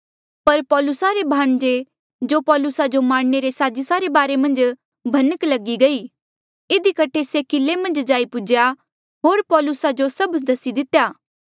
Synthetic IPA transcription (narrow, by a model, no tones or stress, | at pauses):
pɐɾpɔːlʊsaɾebʱaːɳ̃d͡ʒe | d͡ʒopɔːlʊsad͡ʒomaːɽ̃neɾesaːd͡ʒəsaɾebaːɾemɐ̃nd͡ʒ | bʱɐnəklɐɡiɡɐiː | ɪd̪ikɐʈʰesekɪlːemɐ̃nd͡ʒd͡ʒaːipʊd͡ʒja | ɦoːɾpɔːlʊsad͡ʒosɐbd̪ɐsid̪ɪt̪ːjaː